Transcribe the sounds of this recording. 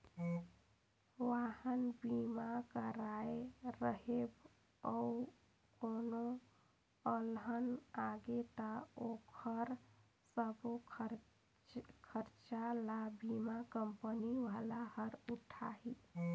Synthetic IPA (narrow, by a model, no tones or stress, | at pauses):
ʋahənbimakəɾaejɾəɦeb | ə | kono | əlɦənaɡet̪əokʰəɾ | səbo | kʰəɾt͡ʃalabimakəmpəniʋalahəɾuʈʰaɦi